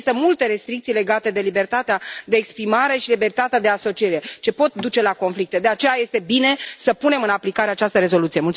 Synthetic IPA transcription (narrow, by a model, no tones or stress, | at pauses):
st̪əmult̪e̞ɾe̞st̪ɾik̚t̪sijle̞ɡat̪e̞d̪e̞libe̞rt̪at̪ead̪e̞ːkspɾimaɾe̞ʃilibe̞rt̪at̪ead̪e̞aso̞t͡ʃieɾe̞t͡ʃe̞po̞t̪̚d̪ut͡ʃe̞lako̞nflik̚t̪e̞d̪e̞at͡ʃe̞jaje̞st̪e̞bine̞səpune̞mɨnaplikaɾe̞at͡ʃast̪əɾe̞zo̞lut̪sijemult̪